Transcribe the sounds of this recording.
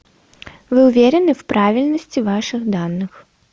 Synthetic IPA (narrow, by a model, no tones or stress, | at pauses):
vɨʊvʲeɾʲɛnɨfpɾʔavʲilʲnɐsʲt͡sʲivaʂɨxd̪anːɨx